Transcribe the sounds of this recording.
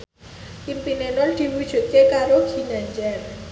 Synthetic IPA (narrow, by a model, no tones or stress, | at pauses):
ʔimpinenʊnd̪̥i̤wud̥ʒ̥ṳt̪̚kekaɾoɡ̥i̤naɲd͡ʒɛr